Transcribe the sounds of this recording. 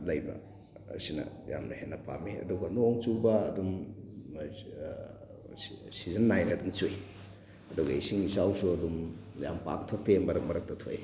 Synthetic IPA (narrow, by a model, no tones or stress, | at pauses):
lɐjbɐ̰ | sinɐ̰ | ja̰mnɐ̰henːɐpʰa̰miɐ̰duɡɐnuːŋt͡ʃubɐːdum | sizɐnːajndumt͡ʃuj | ɐduɡɐisiŋisawsuɐdumja̰mpa̰k̚tʰok̚teembɐɾɐk̚mɐɾɐk̚tɐtʰo̰j